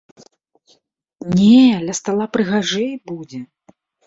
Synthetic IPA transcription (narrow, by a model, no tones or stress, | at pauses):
nʲɛlʲɐst̪alˠapɾɨɣaʐɨjbud͡zʲɛ